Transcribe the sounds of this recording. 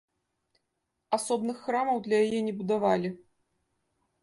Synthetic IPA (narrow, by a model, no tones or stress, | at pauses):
asɔbnɨxːɾamɐwd̪lʲɐjajɛnʲɛbud̪avalʲi